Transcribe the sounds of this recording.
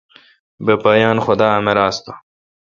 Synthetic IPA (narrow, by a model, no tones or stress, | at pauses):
bepaːjaːnxod̪aːɐmeɾaːst̪ḁ